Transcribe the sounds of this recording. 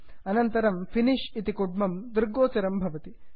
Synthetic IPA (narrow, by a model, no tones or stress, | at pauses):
ɐnɐnt̪ɐɾɐmfiniʃit̪ikuɖ̚mɐmd̪ɾɡoːt͡ʃɐɾɐmbʱɐʋɐt̪i